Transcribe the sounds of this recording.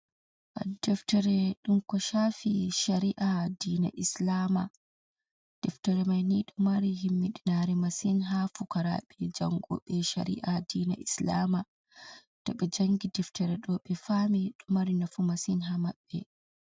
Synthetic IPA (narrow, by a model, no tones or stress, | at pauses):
ʔadɛftɛɾɛɗumkɔʃafiʃaɾiʔadiːna̰ʔislama | d̥ɛftɛɾɛmajniɗɔmaɾihimːiɗinaɾɛmasinɦafukaɾa̰ɓɛd͡ʒaŋɡɔ̰ɓɛʃa̰ɾḭʔadiːna̰ʔislaːma | tɔɓɛd͡ʒaŋɡidɛftɛɾɛɗɔɓɛfamiɗɔmaɾinafumasinɦamaɓːɛ̰